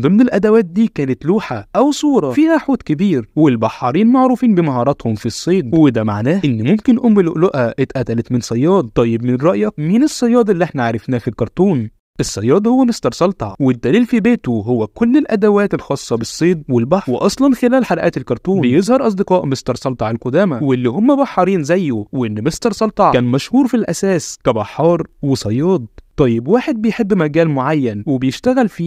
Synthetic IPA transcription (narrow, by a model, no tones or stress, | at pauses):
d̪ˤɨmnelʔæd̪æwæːt̪̚d̪iːkæːnet̪luːħaʔæwsˤuːɾˤɑfiːhæħuːt̪kebiːɾwelbɑħːɑɾiːnmaʕɾuːfiːnbemɑhɑːɾˤɑt̪homfisˤːeːd̪wed̪æmaʕnæːʔenːmomkenʔomːeloʔloʔæʔet̪ʔæt̪ælæt̪mɪnsˤɑjːɑːd̪̚ˤt̪ˤɑjːebmɪnnɾˤɑʔjæminesˤːɑjːɑːd̪ˤelːiʔeħnæʕaɾˤefnæːfilkɑɾˤt̪ˤuːn | ʔesˤːɑjːɑːd̪ˤhowːæmest̪ɑɾˤsɑlt̪hɑ̰wed̪ːæliːlfibeːt̪oɦowːækolːelʔæd̪æwæːt̪elxɑːsˤːɑbesˤːeːd̪̚welbaħweʔɑsˤlɑnxelæːlħalæʔæːt̪elkɑɾˤt̪ˤuːejezˤhɑɾˤʔɑsˤd̪eqɑːʔmest̪ɑɾˤsˤɑlt̪ˤɑʕelqod̪æːmæwelːiːhomːæbɑħːɑɾˤiːnzæjːoweʔenːmest̪ɑɾˤsˤɑlt̪ˤɑʕkæːnmæʃhuːɾfilʔæsæːskæbɑħːɑːɾˤwesˤɑjːɑːd̪̚ˤt̪ˤːɑjːebwaːħed̪̚bejħebːmæɡæːlmoʕajːænwebejeʃt̪æɣælfiː